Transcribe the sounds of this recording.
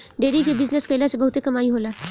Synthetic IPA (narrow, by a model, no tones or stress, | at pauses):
ɖeɾikebid͡zneskəlasebəɦut̪ekəmaiːɦola